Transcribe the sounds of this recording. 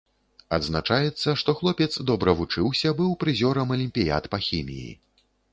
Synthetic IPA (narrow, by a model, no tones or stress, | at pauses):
ɐd̪znat͡ʂajɛt̪sːɐʂt̪ɔxlˠɔpʲɛt̪sd̪ɔbɾɐvut͡ʂɨwsʲɐbɨwpɾɨzʲɔɾɐmɐlʲimʲpʲija̰t̪pɐxʲimʲḭjḭ